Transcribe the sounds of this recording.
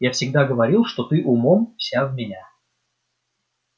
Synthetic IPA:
jafsʲɪɡ̚d̪aɡəvɐɾʲilˠʂt̪ot̪ɨʔʊmomfsʲavmʲɪnʲa

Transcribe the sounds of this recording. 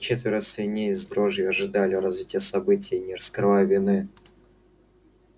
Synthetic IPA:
t͡ɕet̪vʲɪɾəsʲɪnʲejɪzb̪ɾoʐjəɐʐɨd̪alʲɪɾɐzvʲitʲɪjəsɐbɨtʲɪjnʲɪrəskɾɨvajʊvʲɪnɨ

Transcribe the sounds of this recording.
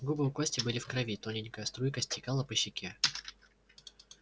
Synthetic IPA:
ɡubɨʊk̪ˠasʲtʲɪbɨlʲɪfkɾɐvʲit̪onʲɪnʲkəjəst̪ɾujkəsʲtʲɪkalˠəpəɕːɪkʲʰe

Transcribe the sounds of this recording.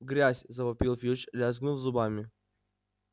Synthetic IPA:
ɡɾʲasʲzɐvɐpʲilˠfʲjut͡ɕlʲazɡnulˠzʊbamʲɪ

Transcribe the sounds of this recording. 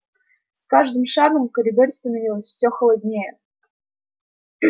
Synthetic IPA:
skaʐd̪ɨmʂaɡəmkəɾʲɪd̪oɾʲst̪ənɐvʲilˠəsʲfsʲoxəlˠɐdʲnʲejə

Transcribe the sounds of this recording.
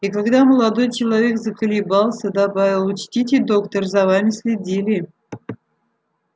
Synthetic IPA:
ikaɡd̪aməlˠad̪o̞jt͡ɕɪlˠɐvʲekzəkəlʲibɑlˠsəd̪abavʲɪlˠut͡ɕt̪ʲitʲɪd̪okt̪ərzɐvamʲɪsʲlʲɪdʲilʲɪ

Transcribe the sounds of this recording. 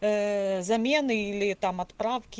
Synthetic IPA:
zɐmʲɛnɪilʲɪt̪ɑmɐt̪pɾɑwkʲɪ

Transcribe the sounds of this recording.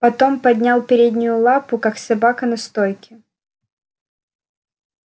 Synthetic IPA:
pɐt̪o̞mpɐd̪ʲnʲalˠpʲɪɾʲed̪ʲnʲɪjʊlˠapʊkaksɐbakənɐst̪ojkʲɪ

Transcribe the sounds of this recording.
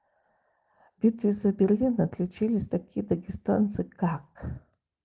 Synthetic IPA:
b̥ʲit̪ʰvʲizɐbʲerlʲinatʰlʲut͡ʃʰilʲɪsʲtakʲʰid̪aɡʲista̰nt͡sɨɡak

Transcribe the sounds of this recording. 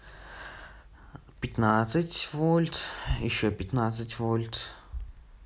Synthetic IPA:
pʲɪt̪nat̪sɨtʲvolʲt̪jɪɕːopʲɪt̪nat̪sɨtʲvolʲt̪

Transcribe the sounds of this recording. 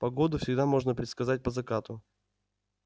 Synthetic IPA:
pɐɡo̞d̪ʊfsʲɪɡd̪amo̞ʐnəpɾʲɪt̪skɐzat̚ʲpəzɐkat̪ʊ

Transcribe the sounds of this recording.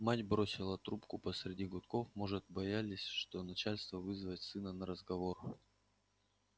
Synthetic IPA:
matʲbɾo̞sʲɪlˠət̪ɾupkʊpəsɾʲɪdʲiɡʊt̪ko̞fmo̞ʐɨt̪̚bɐjalʲɪsʲʂt̪o̞nɐt͡ɕalʲst̪vəvɨzvətʲsɨnənəɾəzɡɐvo̞r

